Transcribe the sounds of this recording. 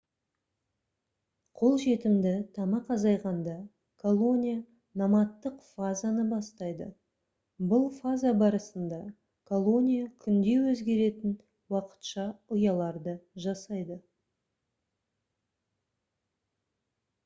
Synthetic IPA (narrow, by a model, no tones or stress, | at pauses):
qʰo̞lˠʒe̞t̪ɪmd̪ɪt̪ʰɑmɑqɑzɑjʁɑnd̪ɑ | kʰolˠo̞nʲija | nɑmɑt̪ːəqfazanəbɑst̪ɑjd̪ə̰ | bʊlˠfazabɑɾəsənd̪ɑ | kʰo̞lˠo̞nʲijakʲʰʏnd̪e̞wɵzɡʲe̞ɾe̞t̪ɪn | wɑqə̥t̪ʃɑʊjɑlˠɑɾd̪əʒɑsɑjd̪ə